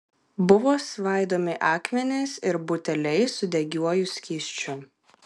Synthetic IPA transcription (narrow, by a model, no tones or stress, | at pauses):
bʊʋoːsʋɑˑɪd̪oːmʲɪʔɑːkmʲɛnʲɛɪsɪɾbʊt̪ʲɛlʲɛɪsʊd̪ʲɛɡʲuɔjʊsʲkʲiːʃʲt͡ʃʲʊ